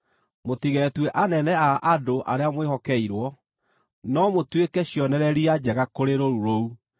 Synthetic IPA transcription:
motiɣɛtweʔanɛnɛaʔadoʔa̰ɾeamwehɔkɛiɾwɔ | nɔmotwekɛɕjɔnɛɾɛɾiad͡ʑɛɣakoɾeɾoɾuɾou

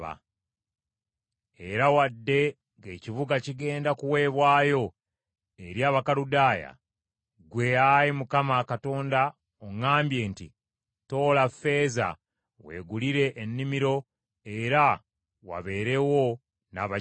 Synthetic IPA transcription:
a̰ | e̞ɾawadːe̞ | ŋɡe̞ːciβuɡaciɡe̞ːndakuwe̞ːβwaːjo̞ | e̞ɾjaːβakaɾudaːja̰ | ɡwe̞ajimukamakato̞ːnda | oŋaːmbje̞ːntḭ | to̞ːlafːe̞ːza̰ | we̞̰ːɡuliɾe̞ʔːnːimiɾo̞ | e̞ɾa | wa̰βe̞ːɾe̞wo̞ | na̰βa

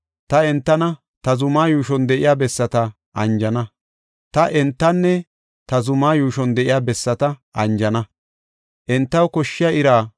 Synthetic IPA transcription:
t̪ɐɛnt̪ːɐnɐ | t̪ɐzʊmaːjuːʃɔnd̪ɛʔɪjaːbɛsːɐt̪ɐ | ʔɐnd͡ʒɐnɐ | t̪ɐʔɛnt̪ːɐnːɛ | t̪ɐzʊmaːjuːʃɔnd̪ɛʔɪjaːbɛsːɐt̪ɐʔɐnd͡ʒɐnɐ | ʔɛnt̪ːɐwkɔʃːɪjɐɪɾaː

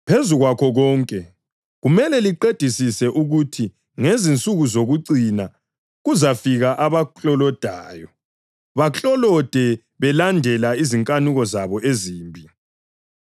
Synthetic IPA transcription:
pʰezuɣwakʰɔɣɔːŋkʼɛ | ɣumɛlɛliǃed̥ʱisisɛʔuɣutʰi | ŋezint͡sʼuɣuzoɣuǀina | ɣuzafiɣaʔaβaɬʼɔlɔd̥ʱaːjɔ | βaɬʼɔlɔd̥ʱɛ | βɛlandʱɛlaiziŋkʼanuɣɔzaβɔʔeziːmbʱi

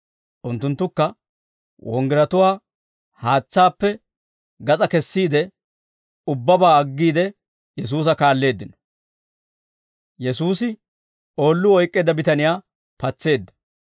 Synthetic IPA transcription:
ʔʊnt̪ːʊnt̪ːʊkːɐ | wɔ̰ŋɡɪɾɐt̪ʊwaː | haːt͡sːaːpːɛ | ɡɐt͡sʼɐkɛsːiːd̪ɛ | ʊbːɐbaːɐɡːiːd̪ɛ | jɛs̬uːs̬ɐkaːlːe̞ːd̪ːɪnɔ̥ | jɛsuːsɪ | o̞ːlːʊɔjkʼːe̞ːd̪ːɐbɪt̪ɐnɪjaː | pɐt͡sːe̞ːd̪ːɐ̥

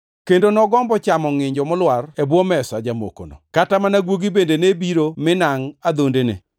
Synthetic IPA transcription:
kendonɔɡɔmbɔt͡ʃamɔŋɪɲd͡ʒɔmʊlwarebwɔmɛsad͡ʒamo̰ko̰no̰katamanaɡwoɡibendenebiɾomɪnaŋad̪ondenḛ

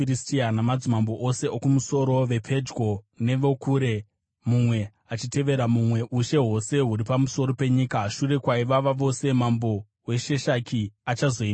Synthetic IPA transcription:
ɾistianamad͡zimambo̞ʔose̞ʔokumuso̞ɾo̞ʋe̞pʰe̞d͡ʒɡʱo̞ | ne̞ʋokuːɾe̞ | mumwe̞ | at͡ʃite̞ʋe̞ɾamumwe̞ʔuʃe̞ɦo̞se̞ɦuɾipamuso̞ɾo̞pe̞ɲiːkaʃuɾe̞kwaiʋaʋaʋo̞se̞mambo̞ | we̞ʃe̞ʃakʰiat͡ʃazo̞i

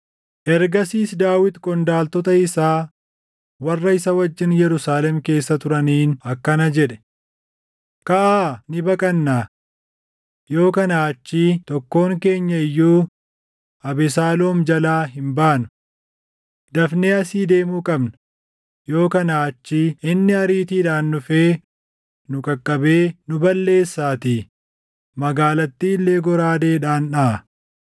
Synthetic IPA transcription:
ʔɛɾɡɐsiːsd̪aːwɪt̪kʼɔnd̪aːlt̪ɔt̪ɐɪsaː | wɐrːɐɪsɐwɐd͡ʒːɪnjɛɾʊsaːlɛmke̞ːsːɐt̪ʊɾɐniːnɐkːɐnɐd͡ʒɛᶑɛ̥ | kɐʔaːnɪbɐkʼɐnːaː | jo̞ːkɐnaːt͡ʃːiːt̪ɔkːo̞ːŋke̞ːɲːɐɪjːuː | ɐbɛsaːloːmd͡ʒɐlaːɦɪmbaːnʊ̥ | d̪ɐfne̞ːɐsiːd̪e̞ːmuːkʼɐbnɐ̥ | jo̞ːkɐnaːɐt͡ʃːiːɪnːɪɐɾiːt̪iːᶑaːnːʊfe̞ː | nʊkʼɐkʼːɐbe̞ːnʊbɐlːe̞ːsːaːt̪i | mɐɡaːlɐt̪ːiːlːe̞ːɡɔɾaːd̪e̞ːᶑaːnᶑa

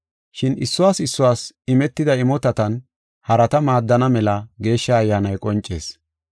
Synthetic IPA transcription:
ʃɪnɪsːʊwaːsɪsːʊwaːsɪmɛt̪ːɪd̪ɐɪmɔt̪ɐt̪ɐn | hɐɾɐt̪ɐmaːd̪ːɐnɐmɛlɐɡe̞ːʃːɐːjːaːnɐjkʼɔnt͡ʃʼːe̞̰ːs

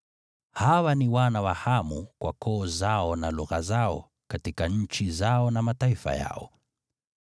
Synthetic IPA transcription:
hawaniwanawahamukwakɔːzaɔnaluɣazaɔ | katikaɲ̩t͡ʃizaɔnamataifa̰ja̰ɔ

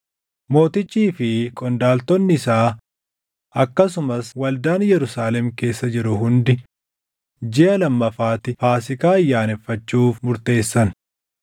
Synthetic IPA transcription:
mo̞ːt̪ɪt͡ʃʼːiːfɪkʼɔnd̪aːlt̪ɔnːɪɪsaː | ʔɐkːɐsʊmɐswɐld̪aːnjɛɾʊsaːlɛmke̞ːsːɐd͡ʒɪɾʊɦʊnd̪ɪ | d͡ʒɪʔɐlɐmːɐfaːt̪ɪfaːsɪkaːɪjːaːnɛfːɐt͡ʃːuːfmʊɾt̪e̞ːsːɐn

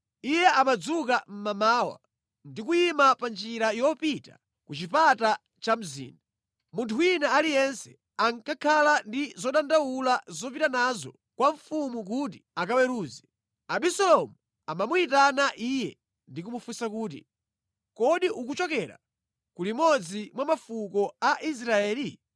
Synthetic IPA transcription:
ijɛʔamad͡zukam̩mamaːwa̰ | ndikujimapand͡ʒiɾajɔpita | kut͡ʃipata | t͡ʃam̩zḭːnda | muntʰuinaalijɛnsɛ̥ | aŋkʰakʰalandizɔɗandawulazɔp̬itanazɔ̰ | kwaɱfumuk̬ut̬i̥akawɛɾuːzɛ | aɓisɔlɔmu | amamuitanaʔiːjɛ | ndikumufusakuːt̬ḭ | kɔɗiʔukut͡ʃɔkɛɾa̰ | kulimɔd͡zimwamafukɔaʔis̬ɾaɛːli

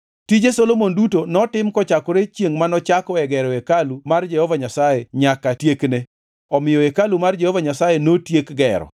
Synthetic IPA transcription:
tid͡ʒesolomondutonɔtɪmkɔt͡ʃakɔɾet͡ʃjeŋmanɔt͡ʃakɔɛɡɛɾɔekalumard͡ʒɛhɔvaɲasajeɲakatjekne | ɔmɪjɔekalumard͡ʒɛhovaɲasajenotjekɡɛɾɔ̰

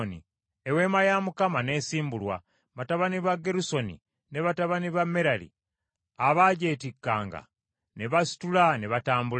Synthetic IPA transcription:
nḭ | ewe̞ːmajamukamaneːsiːmbulwa̰ | βataβaniβaɡːe̞ɾuso̞nḭ | ne̞βataβaniβamːeɾalḭ | aβaɟeːtikːa̰ːŋɡa̰ | neβasi̥tulaneβataːmbul

